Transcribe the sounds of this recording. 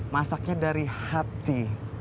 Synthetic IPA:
masak̚ɲadaɾihat̪i

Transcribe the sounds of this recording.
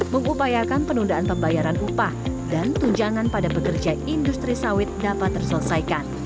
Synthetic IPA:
məŋupajakanpənundaanpəmbajaɾanupahdant̪uɲd͡ʒaŋanpadapəkərd͡ʒaindust̪ɾisawɪt̪̚dapat̪ːərsələsaikan

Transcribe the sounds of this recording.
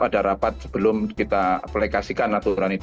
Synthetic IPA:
adaɾapat̪̚sə̥b̥əlʊmkit̪aplekasikanːat̪uɾanit̪

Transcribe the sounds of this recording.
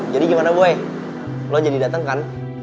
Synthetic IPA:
d͡ʒadiɡimanaɡuɛ | lod͡ʒadidat̪aŋkan

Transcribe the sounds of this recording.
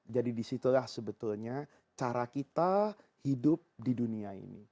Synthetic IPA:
d͡ʒadidisit̪ulahsəbət̪ʊlɲa | t͡ʃaɾakit̪a | hidʊp̚diduniaḭni

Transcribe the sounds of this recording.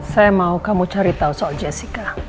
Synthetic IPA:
sajamaukamut͡ʃaɾit̪ausɔald͡ʒɛsika

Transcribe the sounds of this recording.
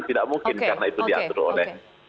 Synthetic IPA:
nt̪idaʔmuŋkɪnkarnait̪udia̰t̪ʊɾo̰lɛh

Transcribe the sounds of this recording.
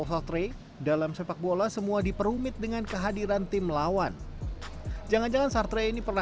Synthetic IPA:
sart̪ɾe | dalamsepak̚bolasəmuadipəɾumɪt̪̚dəŋankəɦadiɾant̪ɪmlawan | d͡ʒaŋand͡ʒaŋansart̪ɾeinipərna

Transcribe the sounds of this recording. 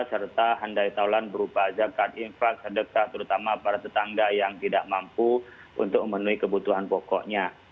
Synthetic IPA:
sərt̪aɦandait̪aulanbəɾupad͡ʒakat̪̚infak̚sədəkaht̪əɾut̪amapaɾat̪ət̪aŋɡajaŋt̪idaʔmampu | ṵnt̪ʊk̚məmənuikəbut̪uɦanpɔkɔ̰ʔɲa

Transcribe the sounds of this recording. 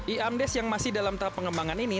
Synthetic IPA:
ʔiamdɛsjaŋmasɪhdalamt̪aɦapːəŋəmbaŋanini

